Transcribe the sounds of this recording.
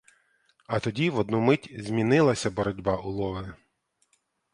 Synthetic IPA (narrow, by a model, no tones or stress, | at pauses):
ɐt̪ɔdʲiʋɔd̪numɪtʲzʲmʲinɪlˠɐsʲɐbɔɾɔdʲbɑʔʊlˠɔʋɪ